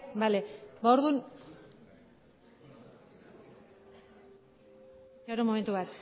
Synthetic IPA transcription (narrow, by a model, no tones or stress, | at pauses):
bale̞baoɾðun | t͡ʃaɾomome̞nt̪uβat̪